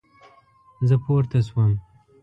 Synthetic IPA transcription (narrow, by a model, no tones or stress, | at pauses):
zəpʰoːɾt̪aswam